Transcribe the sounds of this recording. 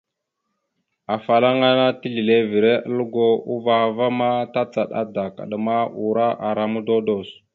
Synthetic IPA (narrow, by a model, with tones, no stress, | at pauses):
a˨fa˨la˦ŋa˦na˦ti˦ɮi˨le˦vi˨ɾe˦ʔə˦lu˦ɡo˦u˦va˨va˦ma˦ta˦t͡sa˨ɗa̰˦da˨ka̰˨ɗə˨ma˦u˨ɾa˦ʔa˨ɾa˨mu˦do˦do˨s